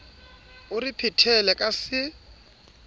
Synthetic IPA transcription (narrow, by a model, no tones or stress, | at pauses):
ʊrɪpʰɪtʰɛlɛkʼasɪ